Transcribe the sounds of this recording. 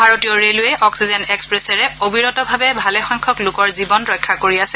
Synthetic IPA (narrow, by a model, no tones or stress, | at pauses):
bʱaɹotijɔɹelʊjɛʔɔksizɛnɛkspɹesɛɹɛobiɹɔtɔbʱabɛbʱalɛxɔŋkʰɔklʊkɔɹzibɔnɹɔjkʰːakoɹiasɛ